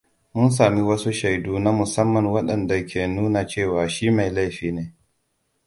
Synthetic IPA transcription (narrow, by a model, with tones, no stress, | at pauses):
mʊ˦ns̬aː˨mi˦wɐ˦su˦ʃa˨jduː˦na˦mʊ˨sɐ˦mːɐ˨nwɐ˦ɗɐ˨nda˨kʲeː˨nuː˦na˨t͡ʃeː˦˨waː˨ʃiː˦ma˨jla˦jɸiː˨neː˦